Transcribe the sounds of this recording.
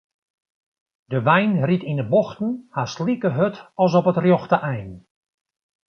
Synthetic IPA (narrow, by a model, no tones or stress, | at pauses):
dəʋɛjnritindəboxtn̩haslikəɦøtɔs̬ɔpətrjoxtəʔɛjn